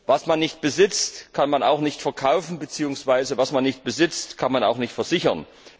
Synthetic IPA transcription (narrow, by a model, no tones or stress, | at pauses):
vasmanːɪçt̚b̥əzɪt͡stkʰanmana̰ʊxnɪçtfɛɐkʰaʊfn̩bət͡siːʊŋsv̥aɪzəvasmanːɪçt̚b̥əzɪt͡stkʰanmana̰ʊxnɪçtfɛɐz̥ɪçɐn